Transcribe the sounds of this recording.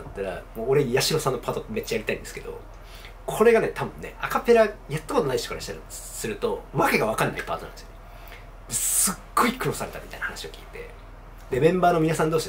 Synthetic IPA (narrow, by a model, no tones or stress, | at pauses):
t̪ːaɾa̰moːɾe̞jaɕiɾo̞sãnːo̞pʰat̪ot̪me̞t͡ɕːajaɾʲit̪aĩnd̪esɨ̥ke̥o̞̰ | kʰo̞ɾe̞ɡane̞t̪ʰabɯ̟̃nːe̞̰akape̞ɾajat̪ːako̞t̪o̞naiɕt̪o̥kaɾaɕi̥t̪aɾ | sɨɾɯ̟t̪o̞βake̞ɡaβ̞akanːa̰ipa̰ːt̪o̞nã̰nd̪̥sjo | d̪esɨɡ̥ːo̞ikɯ̟no̞saɾe̞t̪amit̪a̰ijnahanaɕio̞kʲi̥̰ːt̪e̞̰ | d̪e̞mẽ̞mbaːno̞minasãnd̪oːɕi